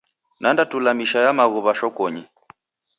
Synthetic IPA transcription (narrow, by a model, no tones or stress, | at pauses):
nʔandatulamiʃajamaɣɔβaʃɔkɔɲi